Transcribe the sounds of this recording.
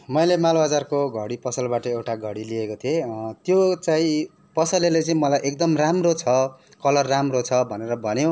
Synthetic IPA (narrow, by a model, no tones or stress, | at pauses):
mʌjlemalbad͡zarkoɡʱʌɽipʌsʌlbaʈʌewʈaɡʱʌɽiliekot̪ʰiet̪jot͡saĩ | pʌsʌlelet͡sʌĩmʌlajʔek̚d̪ʌmramrot͡sʰʌ | kʌlʌrːamrot͡sʰʌbʱʌneɾʌbʱʌnjõ